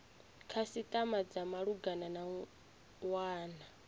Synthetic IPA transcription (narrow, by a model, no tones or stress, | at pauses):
kʰasit̪ʼamad͡zamaɺuɡanana | waːna